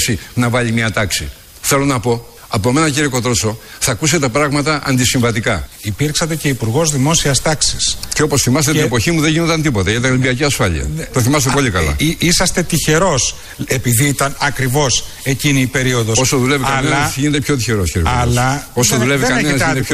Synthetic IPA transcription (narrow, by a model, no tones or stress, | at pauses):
sinɐvɐʎimɲɐt̪ɐksi | θe̞lo̞nɐpo̞ | ɐpoemenɐciɾikot̪ɾoso̞θɐkus̬et̪ɐpɾɐɣmɐt̪ɐʔɐ̰nd̪isiɱvɐt̪ikɐipiɾksɐt̪e̞ce̞ipuɾɣo̞zðimo̞siɐst̪ɐksisceo̞po̞sθimɐst̪etnepo̞çimuðe̞ɲʝinod̪ɐnt̪ipo̞t̪ɐʝɐt̪ilimbiɐciɐsfɐʎḭɐ̰t̪oθimɐs̬t̪epo̞ʎikɐlɐ̰isɐst̪e̞t̪içe̞ɾo̞s | e̞piðiit̪ɐnɐkɾivo̞s | e̞ciniːpe̞ɾio̞ðososoðulevikɐleɐɐsʝinet̪e̞pçot̪içeɾosciɾikɐlɐo̞soðuleviɐnenɐset̪ep